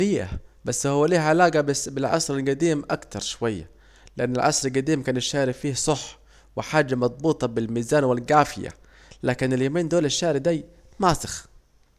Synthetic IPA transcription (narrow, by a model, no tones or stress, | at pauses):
ɾiːʔa̰basːhʊwːaliːhʕalaːɡabbɪlʕɑ̰sɾɪlɡad̪iːmʔakt̪ɑɾˤʃʊwajːa̰ | lɪʔanːɪlʕɑ̰sˤɾˤɪlɡad̪iːmkaːnɪʃːaːɾifiːhsˤʊħː | wɪħaːd͡ʒːamɑd̪̚ˤbuːt̪ˤɑbɪlmiːzaːnwɪlɡaːfɪja̰ | laːkɪnɪljamiːnd̪oːlɪʃːaːʕɾid̪aj | maːsɪ̥x